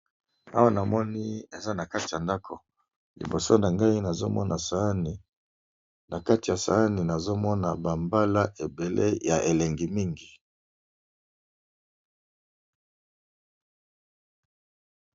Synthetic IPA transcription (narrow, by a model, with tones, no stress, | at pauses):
a̰˦wa˦na˨mɔ˦ni˦e˨za˦na˨ka˦ti˨ja˨nda˦kʰo˨ | lḭ˨bo˨so˦na˨ŋɡa˦i˦na˨zo˦mɔ̰˦nʔa˨sa˨a˦ni˨ | na˨ka˦ti˨ja˨sa̰˨a˦ni˨na˨zo˦mɔ˦na˨ba˨mba˦la˦ʔe˨be˨lʔḛ˦ja˨e˨lɛ˨ŋɡi˨mi˦ŋɡi˨